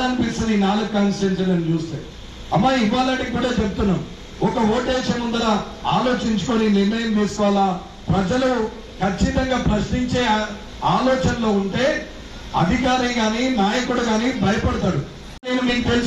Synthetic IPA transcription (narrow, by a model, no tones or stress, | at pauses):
aːnpisɐniːnaːlɐɡkːaːnsɾens̬ɐlɐnut͡ʃuːst̪eːu | ɐmːaːiʋaːlɐɳʈikːuːɽaːt͡ʃebut̪unːaːmu | ɔkɐoːʈeːʃɐmɐnd̪ɐɾaː | aːlo̞ːt͡ʃiɲt͡ʃu̥koninimːejɐnd̪iːskɔːlaː | pɾɐd͡ʒɐlu | kʰɐt͡ʃːit̪ɐŋɡaːpɾɐʃniɲt͡ʃe̞ː | aːlɔːt͡ʃɐnlo̞ːuɳʈe̞ː | ɐ̰d̪ʱikaːɾɐŋɡaːniːnaːjɐkuɽuɡaːnibʱɐjɐpɐɽɐt̪aːɽu | neːnuniːnut̪els